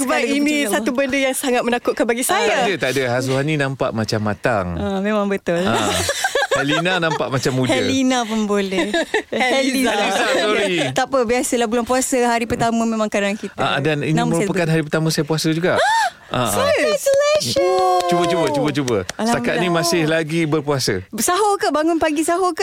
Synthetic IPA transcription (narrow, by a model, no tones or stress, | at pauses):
səbainĩsat̪ubəndəjaŋsaŋat̪̚mə̃nakʊʔkanbaɡisat̪adət̪adəɦas̬uɦanĩnãmpa̰ʔmat͡ʃamːat̪aŋamẽmãŋbət̪ʊla̰ | hɛlinanãmpaʔmat͡ʃamːudhɛəlinapunbolɛhhɛiaiaoɾit̪apəbiasəlabulaŋpuasəɦaɾipərt̪aməmẽmãŋkadaankit̪aadaninaməɾupəkanɦaɾip̬ərt̪amə̃sajapuasəd͡ʒuɡaʔ | ʔa̰soslɛʃt͡ʃubət͡ʃubət͡ʃubət͡ʃubəst̪akat̪nĩmãsɪhlaɡibərpuasə̰saɦokəbaŋʊnpaɡisaɦokə